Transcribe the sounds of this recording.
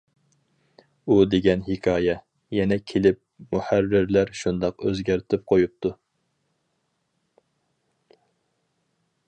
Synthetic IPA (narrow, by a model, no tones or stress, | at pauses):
ud̪eɡʲɛnɦɪkʰʲɑːjɛ | jɛnɛkʲʰelɪp̚muhærːɪɾlæɾʃund̪ɑqøzɡʲæɾt̪ʰɪp̚qʰojup̚t̪ʰu